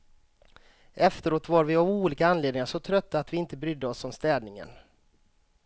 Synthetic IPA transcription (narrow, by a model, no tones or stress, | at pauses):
ʔɛft̪əɾoːt̪vaɾvɪɔvuːliːkaanleːd̪nɪŋaʂɔt̪ʰɾœt̪ːaːt̪vɪɪnt̪əbɾʏd̪ːəɔsːɔmst̪ɛːd̪nɪŋə̰n